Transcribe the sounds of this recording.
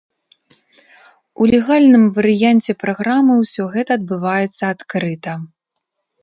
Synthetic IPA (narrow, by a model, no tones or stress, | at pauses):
ulʲɛɣalʲnɨmvɐɾɨjanʲt͡sʲɛpɾaɣɾamɨwsʲɔɣɛt̪ɐːd̪̚bɨvajɛt̪sːɐat̪kɾɨt̪ɐ